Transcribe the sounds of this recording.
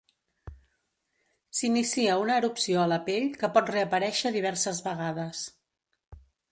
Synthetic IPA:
sinisiəunəːɾupsioələpeʎkəpɔt̪reəpəɾɛʃəðiβɛɾsəzβəɣaðəs

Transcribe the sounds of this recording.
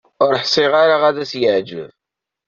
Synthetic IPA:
ʊɾħsˤiʁaɾaʁæðæsjəʕd͡ʒə̰v

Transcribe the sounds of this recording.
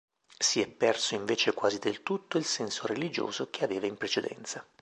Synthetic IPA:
siɛpːɛrsoiɱveːt͡ʃekwaːzid̪elt̪ut̪ːoilsɛnsoɾelid͡ʒo̰ːzokeaveːvaimpɾet͡ʃed̪ɛ̰nt̪sa

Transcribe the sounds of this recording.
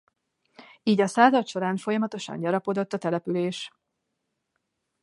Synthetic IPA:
iːɟɒsaːzɒt̪ʃo̞ɾaːɱfo̞jɒmɒt̪o̞ʃɒ̰ɲɟɒɾɒpo̞d̪o̞t̪ːɒt̪ɛlɛpyleːʃ

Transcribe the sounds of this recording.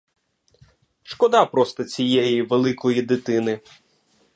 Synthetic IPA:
ʃkɔd̪ɑpɾɔst̪ɔt͡sʲijɛjiʋelˠɪkɔjid̪ɪt̪ɪnɪ

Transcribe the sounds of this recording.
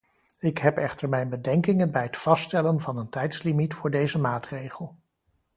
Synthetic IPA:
ɪkɦɛpɛχtəɹmɛjnbədɛŋkɪŋənbɛjɦətfɑstɛlənvɑnəntɛjtslimitfʊːɹdejzəmaːtrejχəlˠ

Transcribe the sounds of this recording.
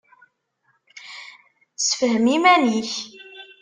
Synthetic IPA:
səfhəmimæniç

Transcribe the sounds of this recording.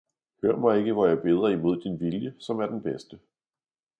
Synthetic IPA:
høɐmɑ̈ɪe̝ɡ̥əʋɒjɑ̈b̥e̝ːð̞ˠɐimo̝ð̞̰ˠd̥inʋiljəsɒ̽mæɐd̥enb̥esd̥ə

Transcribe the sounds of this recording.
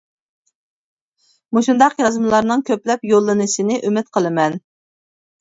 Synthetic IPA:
muʃund̪ɑqjɑzmɨlˠɑɾnɨŋkʲʰøplɛpjolˠːɨnɨsɨnɪʔymɪt̪qʰəlˠɨmɛn

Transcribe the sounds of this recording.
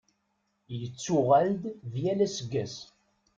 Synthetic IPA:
jət͡sːuʁæld̪vjælæsəɡːæs

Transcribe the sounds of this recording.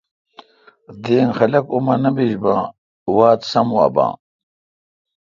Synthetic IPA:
d̪eːnxɐlɐkumɐnɐmbiʑbãː | waːt̪sɐmuɐ̰bã̰ː

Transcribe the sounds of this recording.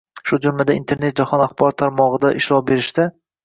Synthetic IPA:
ʃʊd͡ʒʊmlad̪aint̪ʰe̞ɾned͡ʒahɒnaχbɒɾɔt̪ʰːaɾmɒʁɨd̪aʔɪʃɾɒbe̞ɾɪʃt̪ɪ

